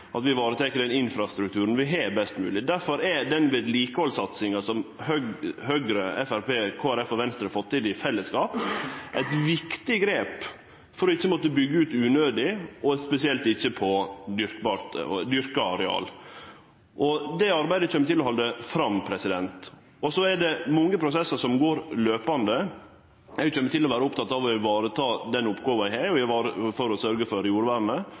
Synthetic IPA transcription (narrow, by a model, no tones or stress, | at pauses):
ʔɑt̪ʋɪʋɑːɾət̪ʰɛkəɖɛnɪnfɾɑst̪ɾʉk̚t̪ʰʉːɾən̩ʋɪɦɛbɛst̪mʉ̰ːlɪd̪æɾfɔɾɛd̪ɛnʋeːd̪liːkəhɔlsɑt̪sɪŋɑsɔmhœɡhœɡɾəɛfæɾpeːkʰoːæɾɛfɔʋɛnst̪ɾəfɔt̪ʰːɪlɪfɛlːəskɑːpʔæɪt̪ʋɪkt̪ɪɡɾeːp | fɔɾɔɪçːəmɔt̪ːəbʏɡːəʉːt̪ʉːnøːd̪ɪʔɔspɛsɪɛlt̪ɪçːəpʰɔd̪ʏɾkbɑːɾt̪d̪ʏɾkɑɑɾɛɑ̰ːl | ʔɔd̪ɛɑɾbæɪd̪əc͡çɛmːət̪ɪlːɔhɑld̪əfɾɑmpʰɾɛsɪd̪ɛnt̪ | ɔsɔɛɖɛmɔŋːəpʰɾʊsɛsəsɔmɡoːɾløːpɑnd̪ə | æjʊc͡çɛmːət̪ʰɪlːɔʋæːɾəʊpt̪ʰɑt̪ːɑʋɔʋɑːɾət̪ʰɑːd̪ɛnʊpːɡoːʋɑæɪhæɔʋɑːɾəfɔɾɔsœɾɡəfɔɾjuːɾəʋæːɾnə